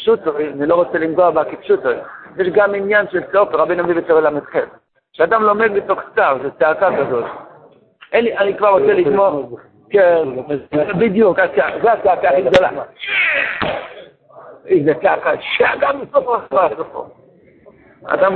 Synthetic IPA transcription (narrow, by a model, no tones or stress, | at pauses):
ʃutojanilo̞ʁot͡selimɡoabakepʃutojjeʃɡaminjanʃelseokeʁabenamivet͡sovelametχev | ʃead̪amlo̞me̞d̪̚betoχstavzet͡seakakazo̞l | ʔenlianikvaʁːot͡selidmo | kenzebid̪jukat͡seazeat͡seakaiɡd̪ola̰ | izet͡seakaʃeakamisofasvaasofo̰ | a̰d̪am